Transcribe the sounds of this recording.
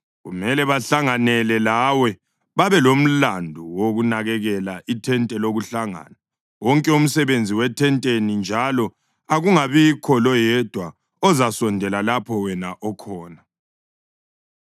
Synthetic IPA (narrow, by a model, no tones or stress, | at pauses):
ɣṵmɛlɛβaɬaŋanɛlɛlawɛ | βaβɛlom̩landʱuwoɣunaɣɛɣɛlaʔitʰɛntʼɛloɣuɬaŋa̰ːna | wɔŋkʼɛum̩sɛβend͡zʱiwɛtʰɛntʼenind͡ʒʱalɔ | aɣuŋaβikʰɔlɔjɛd̥ʱwa | ɔzasɔndʱɛlalapʰɔwɛnaʔɔkʰɔːna